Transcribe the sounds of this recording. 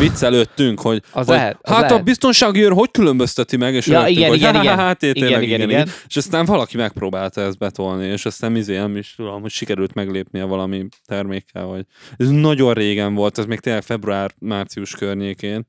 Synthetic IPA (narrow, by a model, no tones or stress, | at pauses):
vit̪sːɛløt̪ːyŋkho̞ɟɟhaːt̪ɒbist̪o̞nʃaːɡiøɾɦo̞ckylø̞mbøst̪ɛt̪imɛɡeːʃiɡnoɡɛɦat̪ːeːt̪eːnlːɛɡ̪ɡiɛɡɛinineʃɒst̪aːɱvɒlɒkimɛk̚proːbaːlt̪ɒɛzd̪̚bɛt̪o̞lnieːʃɒst̪aːnizeːɛmiʃt̪ud̪lomho̞cʃikɛɾylt̪mɛɡleːpniɛvɒlɒmit̪ɛrmeːkːɛ̰lvɒɟɛznɒɟo̞nreːɡɛɱvo̞lt̪ɛzmeːk̚t̪eːnlɛkfɛbruaːrmaːrt̪sijuʃkørɲeːkeːn